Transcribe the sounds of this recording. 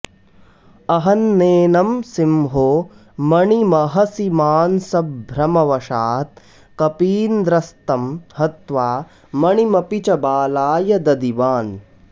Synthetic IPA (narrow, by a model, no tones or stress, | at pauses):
ɐɦɐnːeːnɐmsimɦoː | mɐɳimɐɦɐsimaːnsɐbbʱɾɐmɐʋɐʃaːt̪̚ | kɐpiːnd̪ɾɐst̪ɐmhɐt̪ʋaː | mɐɳimɐpit͡ʃɐbaːlaːjɐd̪ɐd̪iʋaːn